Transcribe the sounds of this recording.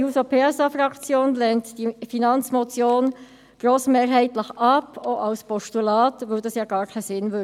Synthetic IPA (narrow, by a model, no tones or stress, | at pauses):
huːsopʰeːɛsɑfrɑkt͡sjoːnlɛntd̥ifinɑnt͡smot͡sjoːn | ɡ̥ɾoːsmeːɾɦɛɪtləχɑpʰoʔɑlspɔʃtulɑːtʋœʊdɑsjɑːɡ̥ɑːɾkʰɛɪsɪnvø